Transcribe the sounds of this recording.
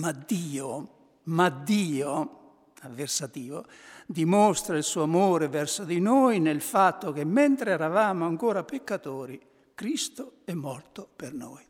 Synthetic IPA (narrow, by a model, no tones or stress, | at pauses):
mad̪iːo | mad̪ːiːo | avːersat̪iːvo̰ | d̪imɔst̪ɾailsuːamoːɾevɛrsod̪inojnelfat̪ːok̟emːɛnt̪ɾeɛɾavaːmoaŋkoːɾapekːat̪oːɾi | kɾist̪oɛmːɔrt̪opernoːj